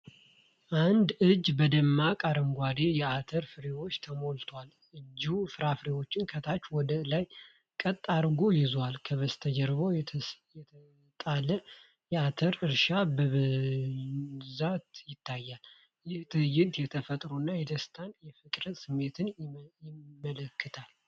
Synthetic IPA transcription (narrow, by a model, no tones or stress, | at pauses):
ʔand̪ɨd͡ʒbəd̪əmːakʼaɾəmɡʷad̪ejɛat̪ʰəɾfɨɾewo̞t͡ʃːt̪ʰəmo̞lt̪ʰwal | ɨd͡ʒufɨɾafɾewo̞t͡ʃːɪnkʰət̪ʰat͡ʃːwɔd̪əlaj | kʼət̪ʼːaɾɡojɪzwalkʰəβəst̪ʰəd͡ʒəɾbojɛt̪ʰə | t̪ʼalə | jɛat̪ʰəɾɨɾʃabəβɨ | zat̪jɪt̪ʰːajːal | jɪht̪ʰɨjɪd̪jɛt̪ʰəfət̪ʼɾunːajɛd̪əst̪ʰanjɛfɨkʼɾəsɨmːe̞t̪ʰɨnjɪmːələkːɨt̪ʰal